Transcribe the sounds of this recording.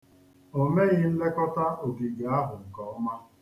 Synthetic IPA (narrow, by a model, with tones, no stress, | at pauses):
o˨me˦ɣɪ˦n̩˦le˦kɔ˦ta˦o˨ɡi˨ɡa˨a˦ɦʊ˨ŋ̩˨kɔ˨˦ma˦